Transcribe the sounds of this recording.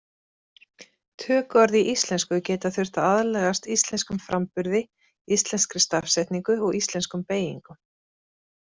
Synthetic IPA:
t̪ʰœːkvaɾðiʔist̪lɛnskʏcɛːt̪aθʏr̥t̪aaðlɛːɣast̪ist̪lɛnskʏmfɾʔampʏɾðɪ | ist̪lɛnskɾɪst̪afsɛjht̪niŋkʏɔɣist̪lɛnskʏmpeːjḭŋkʏ

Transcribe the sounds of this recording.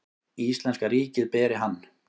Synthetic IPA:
ist̪lɛnskaɾiːcɪðpɛːɾɪɦanː

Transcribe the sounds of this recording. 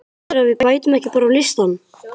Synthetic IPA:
ɾavɪðpajt̪ʏmɛhcɪpɔːɾawlɪst̪anː

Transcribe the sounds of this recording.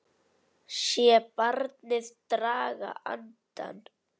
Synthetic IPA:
ʃjɛpaɾt̪neθt̪ɾaːɣa̰ʔa̰nt̪a̰n

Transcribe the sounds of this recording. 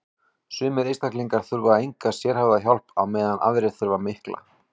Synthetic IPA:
sʏːmɪɾejst̪akliŋkaɾ̥θʏɾvaejŋkasjɛɾ̥havðaçɔl̥pawmɛːðanʔa̰vɾɪθʏɾvamɪhkla̰

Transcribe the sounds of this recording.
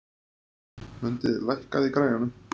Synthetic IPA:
mʏnt̪ɪðlajhkaðikɾaːjɣanʏm

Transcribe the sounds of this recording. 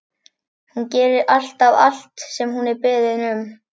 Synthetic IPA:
huncɛːɾɪɾʔal̥t̪ava̰l̥t̪sɛmɦunɛɾpɪðɪnʏm

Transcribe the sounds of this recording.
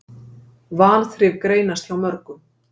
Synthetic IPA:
vaːlθɾɪvkɾeːjnast̪θawmœɾkʏm

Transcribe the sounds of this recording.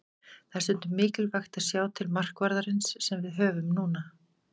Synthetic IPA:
θast̪ʏn̥t̪ʏmɪːcɪlvaxt̪aðsjaːwt̪ʰɪlmar̥kvaɾðaɾɪnsːɛmvɪðɦœːvʏmnuːna

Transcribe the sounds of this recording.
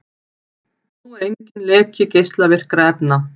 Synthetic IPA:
θuɾejɲcɪnlɛːcʰɪcejst̪lavɪr̥kɾaɛpna

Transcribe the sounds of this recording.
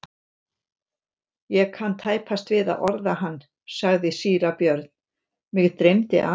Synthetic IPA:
jɛkʰant̪ʰaːjpʰast̪vɪða̰ðɔɾðahanː | saɣðɪsiːɾapjœɾt̪n̥ | mɪɣt̪ɾejmt̪ɪ̰ʔa

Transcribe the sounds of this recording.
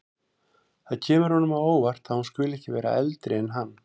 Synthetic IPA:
θaðcʰɛːmʏɾ̥hɔnʏmaðoːwvar̥t̪aðhunscʏːlɛhcɪvɛːɾa̰ɛlt̪ɾɪɛnɦanː

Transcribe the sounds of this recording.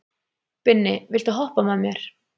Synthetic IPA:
pɪnːɪvɪlt̪aɦɔhpamɛðmjɛɾ̥

